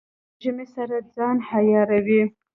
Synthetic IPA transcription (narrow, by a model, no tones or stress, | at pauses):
ʒəmesaɾad͡zɑnhajɑɾawi